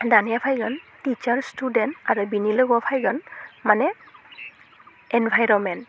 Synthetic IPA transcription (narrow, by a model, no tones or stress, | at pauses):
danijapʰajɡɔntit͡ʃaɹstudɛntaɹubinilɔɡɔpʰajɡɔnmanɛ | ɛnbʱajɹɔmɛnt